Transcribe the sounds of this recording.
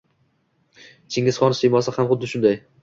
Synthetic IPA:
t͡ʃʰɪŋʲɪz̥χɒnɪsɪjmɒsahamχʊd̪ːɪʃʊnd̪aj

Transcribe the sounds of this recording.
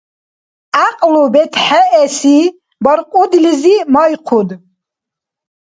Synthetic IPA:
aqʼlubɛt̪ʰħaɛsi | bɔɾqʼud̪lizimɔjqʰud̪

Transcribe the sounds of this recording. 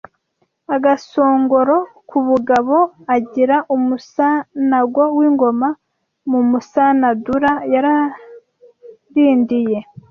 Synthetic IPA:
aɡaso̞ːŋɡo̞ɾo̞kuβuɡaβo̞aɟiɾaʔumusanaɡwowiːŋɡo̞ma | mumusanaduɾajaɾa | ɾiːndije̞

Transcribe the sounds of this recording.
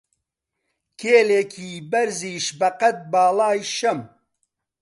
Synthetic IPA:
kʰeːleːkʰiːbɐɾziːʃbɐqɐt̪̚baːlaːjʃɐm

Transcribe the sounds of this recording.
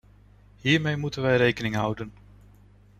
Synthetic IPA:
ɦiːɹmejmutənʋɛjɾejkənɪŋɦʌwdən

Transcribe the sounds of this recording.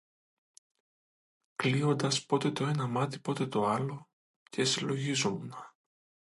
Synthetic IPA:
klio̞nd̪ɐspo̞t̪e̞t̪o̞e̞nɐmɐt̪i̥po̞t̪e̞t̪o̞ɐlo̞ | cʰe̞silo̞ʝizomnɐ

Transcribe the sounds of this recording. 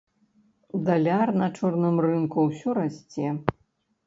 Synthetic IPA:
d̪alʲarnɐt͡ʂɔrnɨmrɨnkuwsʲɔɾasʲt͡sʲɛ

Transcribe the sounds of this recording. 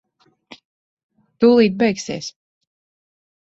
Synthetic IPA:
t̪uːlˠiːt̪̚bɛjksiɛs

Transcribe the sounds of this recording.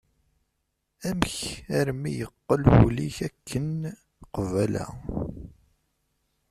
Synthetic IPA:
æmçæɾmijəqːəlwuliçækʰːən | qvælæ̰

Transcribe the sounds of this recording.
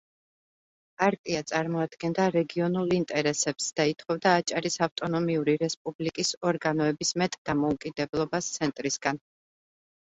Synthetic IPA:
pʼaɾt̪ʼiat̪sʼaɾmɔad̪̥ɡɛnd̪aɾɛɡiɔnulˠint̪ʼɛɾɛsɛpsd̪̥ait̪ʰχɔvd̪aːt͡ʃʼaɾisaft̪ʼɔnɔmiuɾiɾɛspʼublikʼisɔɾɡanɔɛbismɛt̪ʼd̪̥amɔukʼid̪ɛblˠɔbast̪sʰɛnt̪ʼɾisɡ̥an

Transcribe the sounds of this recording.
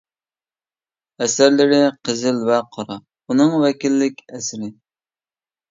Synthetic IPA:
ɛsæɾlɪɾɪqʰəzɪlvɛqʰɑɾɑ | unɨŋwɛkʲilːɪkʲɛsɾɪ

